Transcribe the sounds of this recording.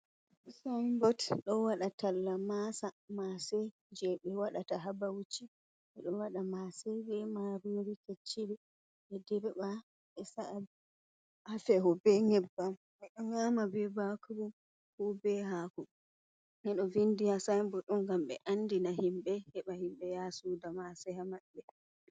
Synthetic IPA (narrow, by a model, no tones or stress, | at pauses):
sambɔtɗɔwaɗatalːamasamasɛ | d͡ʒɛɓɛwaɗataɦabawut͡ʃːi | ʔɛɗɔwaɗamasɛbɛmaɾuoɾiket͡ʃːiɾi | ɛdɛɾba | ɛsaʔal | ʔafɛɦɔbɛŋɛbːam | mɛɗɔŋaːmabɛbakuɾu | kuːbɛɦaːkɔ | nɛɗɔvindihasambɔɗɔnɡamɓɛ̰ʔandinaɦimɓɛhɛɓahimɓɛjasudamasɛhamaɓːɛ